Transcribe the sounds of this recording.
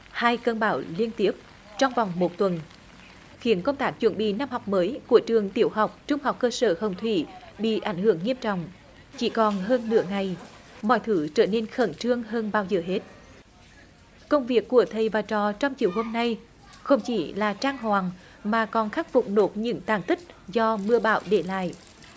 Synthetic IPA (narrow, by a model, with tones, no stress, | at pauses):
haː˧jkə˧nɓaː˧˩wli˧ənt̪i˦˥əp̚ | t͡ɕɔ˧wŋ͡mva˨˩wŋ͡mmo˨˩t̚t̪wə˨˩n | xi˨˦ənkə˧wŋ͡mt̪aː˦˥k̚t͡ɕwə̰˧˩nɓḭ˧˨na˧mha˨˩wk͡p̚məː˨˦jku˧˩ət͡ɕɨ˨˩əŋt̪i˧˩əwɦa˨˩wk͡p̚t͡ɕʊ˧ŋ͡mha˨˩wk͡p̚kəː˧səː˧˩hə˨˩wŋ͡mt̪ʰwi˧˩ | ɓḭ˧˨ʔa˧˩jŋ̟hɨ̰˧˩˨əŋːi˧əmt͡ɕɔ̰˧˨wŋ͡m | t͡ɕi˧˩kɔ˨˩nɦəː˧nːɨ̰˧˥əŋa˨˩j | mɔ̰˧˨jt̪ʰɨ˨˦t͡ɕəː˧˩ne˧nxə˧˩nt͡ɕɨ˧əŋɦəː˧nɓaː˧wzəː˨˩ɦe˦˥t̚ | kə˧wŋ͡mvi˨˩əkːu˧˩ət̪ʰə˨˩jvaː˨˩t͡ɕɔ˨˩t͡ɕɔ˧wŋ͡mt͡ɕi˨əwho˧mna˧j | xə˧wŋ͡mt͡ɕi˧˩˦laː˨˩t͡ɕaː˧ŋɦwaː˨˩ŋ | maː˨˩kɔ˨˩nxaː˦˥k̚fʊ˨˩k͡p̚no˨˥t̚ɲɨ̰˧˥ŋt̪aː˧˩ŋt̪ʰi˦˥k̚zɔ˧mɨ˧əɓa̰ː˧˩˨wɗe˧˩la̰ː˧˨j